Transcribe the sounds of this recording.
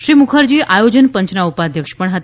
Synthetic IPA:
ʃɾiːmukʰəɾd͡ʑiːʔajod͡ʑənpəɲt͡ʃnaupad̪ʱjəkʃpəɳɦət̪e

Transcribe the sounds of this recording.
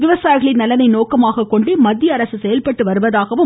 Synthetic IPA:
ʋɪʋɐsaːjɣɐɭɪnːɐlɐnɐɪnoːkɐmaːɣɐkːɔɳɖɯmɐd̪ːjɐːɾɐsɯsɛjɐlpɐʈːɯʋɐɾɯʋɐðaːɣɐʋɯ

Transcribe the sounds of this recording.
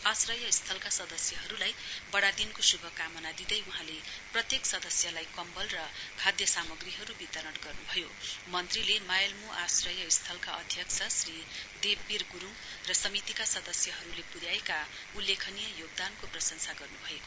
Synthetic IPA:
asrʌjʌist̪ʰʌlkasʌd̪ʌsjʌɦʌɾulajbʌɽad̪inkosubʱʌkamʌnad̪id̪ʌjuɦãleprʌt̪jeksʌd̪ʌsjʌlajkʌmbʌlrʌkʰad̪jʌsamʌɡriɦʌɾubit̪ʌɾʌʈɡʌrnubʱʌjomʌnt̪rilemajʌlmuʔasrʌjʌist̪ʰʌlkaʔʌd̪ʱjʌkt͡sʰʌsri | d̪ebːirɡuɾuŋ | rʌsʌmit̪ikasʌd̪ʌsjʌɦʌɾulepuɾjaeka | ulːekʰʌnijʌjoɡ̚d̪ankoprʌsʌnsaɡʌrnubʱʌeko

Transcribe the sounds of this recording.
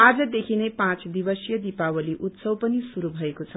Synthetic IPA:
ad͡zʌd̪ekʰinejpãt͡sd̪ibʌsjʌd̪ipawʌliʔut̪sʌwpʌnisuɾubʱʌekot͡sʰʌ

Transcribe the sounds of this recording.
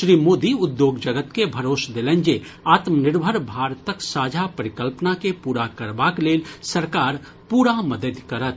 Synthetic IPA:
ʃɾiːmoːd̪iʊd̪joːɡd͡ʒəɡət̪kebʱəɾoːsd̪elɛnd͡ʒe | aːt̪mənɪɾbʱəɾbʱaːɾt̪əksaːd͡ʒʱapəɾɪkəlpnakepuːɾakəɾbakleːlsəɾkaːɾ | puːɾaməd̪əd̪kəɾət̪̚ʰ

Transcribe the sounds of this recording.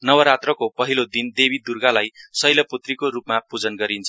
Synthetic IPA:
nʌwʌɾat̪rʌkopʌɦilod̪ind̪ebid̪urɡalajsʌjlʌput̪rikoɾupmapud͡zʌnɡʌɾint͡sʰ

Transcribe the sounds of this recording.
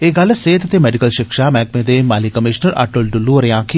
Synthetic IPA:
eːɡɐlseːt̪t̪emɛːɖikəlʃɪkʃamɛ̃ːk̚mẽd̪emaːlikəmɪʃnəɾʔa̰ːʈolɖʊlːuɾjãːkʰi

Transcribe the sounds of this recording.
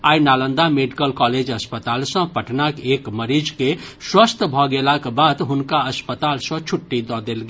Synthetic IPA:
aːjnalə̃nd̪ameɖikəlkɔled͡ʒəspət̪aːlsə̃pəʈʰnakekməɾid͡ʒkeswəst̪ʰbʱɔɡelakbad̪ɦʊnkaəspət̪alsə̃t͡ʃʰuʈːid̪ɔd̪elɡe

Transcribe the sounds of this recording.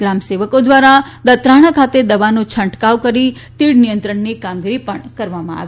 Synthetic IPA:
ɡɾamseʋəkod̪ʋaɾa | d̪ət̪ɾaɽ̃akʰat̪ed̪əʋanũt͡ʃʰəɳʈkaʋkəɾi | t̪iɽnijənt̪ɾəɳnikamɡiɾipəɳkəɾʋamã̰a̰ʋi

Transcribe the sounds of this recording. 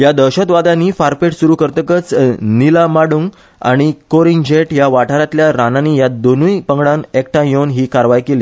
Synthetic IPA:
jad̪əɕət̪ʋad̪ãniːfaɾpeʈsuɾukəɾt̪əkət͡snilamaɽuːŋɡ | a̰ɽ̃ikoɾind͡ʑeʈjaʋaʈʰaɾat̪ljaɾananiːjad̪onujpəŋɡɽanekʈãjonɦiːkaɾʋajkeliː

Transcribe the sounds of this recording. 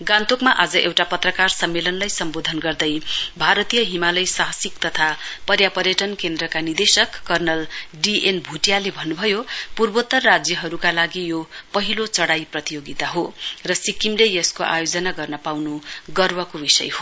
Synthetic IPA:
ɡant̪okmaʔad͡zʌʔewʈapʌt̪rʌkarsʌmːelʌnlajsʌmbod̪ʱʌnɡʌrd̪ʌjbʱaɾʌt̪ijʌɦimalʌjsaɦʌsikt̪ʌt̪ʰapʌrjapʌɾjʌʈʌnkend̪rʌkanird̪esʌkːʌrnʌlɖiʔenbʱuʈjalebʱʌnːubʱʌjopurbot̪ːʌrːad͡zjʌɦʌɾukalaɡijopʌɦilot͡sʌɽajprʌt̪ijoɡit̪aɦorʌsikimlejʌskoʔa̰jod͡zʌnaɡʌrnʌpawnuɡʌrwʌkobisʌ̰jho

